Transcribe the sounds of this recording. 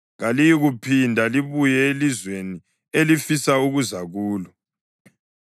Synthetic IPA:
ɣalijiɣupʰindʱaliβujɛelizweni | elifisauɣuzaɣuːlɔ

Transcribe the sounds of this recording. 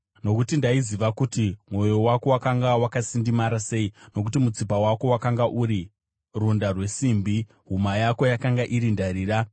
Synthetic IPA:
no̞kutindaiziʋakutimwo̞jo̞wako̞wakaŋɡawakasindimaɾase̞ino̞k̬utimut͡sipawako̞wakaŋɡaʔuɾi | rundarwe̞simbi | ɦumajako̞jakaŋɡaʔiɾindaɾiːra

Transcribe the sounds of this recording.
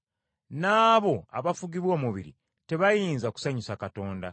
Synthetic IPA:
naːβo̞aβafuɡiβwomuβḭɾḭ | te̞βajiːnzaku̥saɲusakato̞ːnda

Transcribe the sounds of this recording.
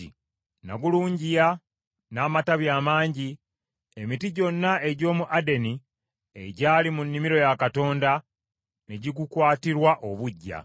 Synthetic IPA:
na̰ɡuluːɲɟija | naːmataβjaːmaːɲɟi | emitiɟo̞nːae̞ɟo̞ːmuʔade̞ni | ḛɟaːlimunːimiɾo̞jakato̞ːnda | neɟiɡukwaːtiɾwaʔo̞βuɟːa̰

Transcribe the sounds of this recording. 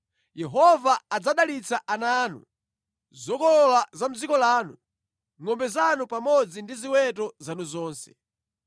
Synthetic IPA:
jɛɦɔvaːd͡zaɗalit͡saʔanaːnṵ | zɔkɔlɔlazam̩d͡zikɔlaːnu | ŋɔmbɛzanupamɔd͡zindiziwɛtɔzanuzɔːnsɛ̥

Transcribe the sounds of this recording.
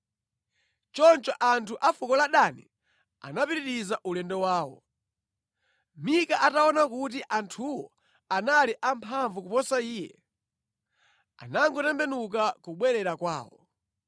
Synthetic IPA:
t͡ʃɔnt͡ʃɔʔantʰuʔafukɔlaɗanḭ | a̰napiɾiɾizaʔulɛndɔwaːwɔ̰ | mikaʔataɔnakut̬iʔantʰuwɔ | analiʔampʰaɱvukupɔsaiːjɛ̰ | a̰naŋɡɔtɛmbɛnuk̬akuɓwɛɾɛɾakwa̰ːwɔ̰

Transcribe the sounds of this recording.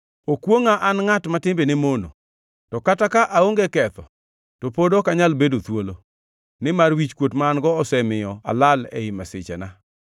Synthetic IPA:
okwoŋaʔanŋatmatɪmbenemono̰ | tɔkatakaʔaoŋɡɛkɛt̪ɔ | topodokaɲalbedot̪wolo | nɪmarwit͡ʃkwotmaːnɡɔɔsɛmɪjɔa̰lalɛ̰ɪmasɪt͡ʃɛ̰na

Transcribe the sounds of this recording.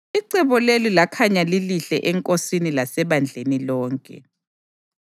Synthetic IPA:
iǀɛβɔlelilakʰaɲaliliɬɛʔɛŋkʼosinilasɛβand͡ɮʱenilɔːŋkʼɛ̰

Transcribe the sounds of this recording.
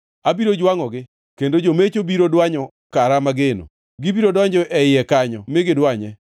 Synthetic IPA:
abiɾod͡ʒwaŋɔɡɪ | kendod͡ʒomet͡ʃobiɾodwaɲɔ | kaɾamaɡeno̰ | ɡɪbiɾodɔɲd͡ʒɔʔɛɪɛkaɲɔmɪɡɪdwaɲɛ

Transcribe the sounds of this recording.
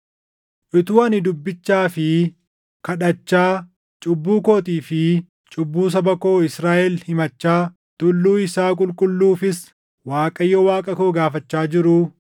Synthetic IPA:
ʔɪt̪uːɐnɪd̪ʊbːɪt͡ʃːaːfɪ | kɐᶑɐt͡ʃːaː | t͡ʃʼʊbːuːkoːt̪iːfɪ | t͡ʃʼʊbːuːs̬ɐbɐko̞ːɪsɾaːʔɛlhɪmɐt͡ʃːaː | t̪ʊlːuːɪsaːkʼʊlkʼʊlːuːfɪs | waːkʼɐjːɔwaːkʼɐkoːɡaːfɐt͡ʃːaːd͡ʒɪɾʊ

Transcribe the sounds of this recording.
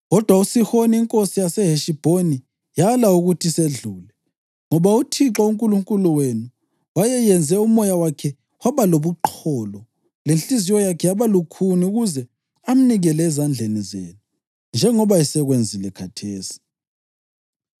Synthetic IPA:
ɣɔd̥ʱwausixoniːŋkʼosijasɛɦeʃib̥ʱoni | jalauɣutʰiseɮuːlɛ | ŋɔβautʰiǁauŋkʼuluŋkʼuluwenu | wajɛjɛnd͡zʱɛumɔjawakʰɛ | waβaloβuǃʰɔːlɔ | lenɬʼizijɔjakʰɛjaβalukʰuniuɣuzɛ | am̩niɣɛlɛːzand͡ɮʱenizḛːnu | nd͡ʒʱɛŋɔβaisɛɣwend͡zʱilɛkʰatʰeːsi̥

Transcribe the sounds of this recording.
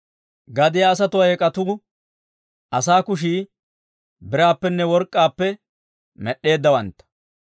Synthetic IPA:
ɡɐd̪ɪjaːs̬ɐt̪ʊwɐjɛkʼɐt̪ʊ | ʔɐsaːkʊʃ̬iː | bɪɾaːpːɛnːɛwɔɾkʼːaːpːɛ | mɛɗːe̞ːd̪ːɐwɐnt̪ːɐ̥

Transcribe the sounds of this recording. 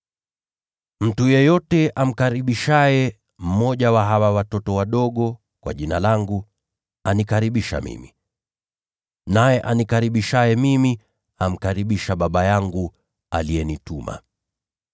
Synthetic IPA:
m̩tujɛjɔtɛʔam̩kaɾiɓiʃajɛ | m̩mɔʄawaɦawawatɔtɔwaɗɔɠɔ | kwa̰ʄinalaŋɡu | anikaɾiɓiʃa̰mḭmi | najɛʔanikaɾiɓiʃajɛmimi | am̩kaɾiɓiʃaɓaɓajaŋɡu | a̰lijɛnituma̰

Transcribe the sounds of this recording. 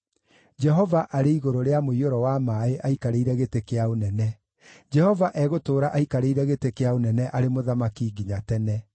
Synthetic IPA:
d͡ʒɛɦɔvaʔaɾeiɣoɾoɾeamoioɾɔwamaːeʔaikaɾeiɾɛɣetekeaonɛnɛ | d͡ʒɛhɔvaʔɛɣotoːɾaʔaikaɾeiɾɛɣetekeaonɛnɛʔaɾemoðamakiɡiɲatɛnɛ

